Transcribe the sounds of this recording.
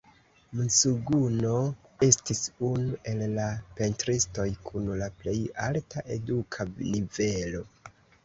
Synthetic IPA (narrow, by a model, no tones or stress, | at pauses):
musuɡuno̞ | e̞stisunuʔe̞lːape̞ntɾisto̞jkʰunlaple̞jaltaʔe̞dukʰanive̞lo̞